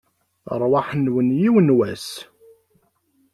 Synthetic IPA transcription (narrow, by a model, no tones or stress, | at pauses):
ə̰ɾˤwaħənwənjiwənwæs